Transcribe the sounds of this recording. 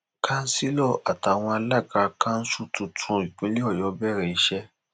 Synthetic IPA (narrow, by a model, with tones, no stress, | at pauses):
kʰã˦n̩˦si˦lɔ˦˨a˨ta˨˦˨w̃ɔ̃˧a˧la˦˨ɡa˧kã˦n̩˦su˦tʰũ˧tʰũ˧i˨k͡pĩ˨˦li˦ɔ˦˨jɔ˨˦bɛ˦˨ɾɛ˨i˨˦ʃɛ˦